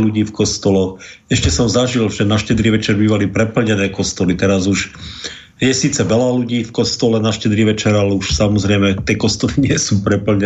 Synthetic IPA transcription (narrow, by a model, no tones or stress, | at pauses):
luɟiːfkɔst̪ɔlɔx | ɛʃcɛsɔmzaʒilʒɛnaʃcɛd̪ɾiʋɛt͡ʃɛɾbiːʋalipɾɛpl̩ɲɛnɛːkɔst̪ɔlit̪ɛɾazuʒ | jɛsiːt͡sɛʋɛlaluɟiːfkɔst̪ɔlɛnaʃcɛd̪ɾiʋɛt͡ʃɛɾalɛuʃsamɔzɾɛjmɛt̪ɪɛkɔst̪ɔliɲɪɛsuːpɾɛpl̩ɲɛ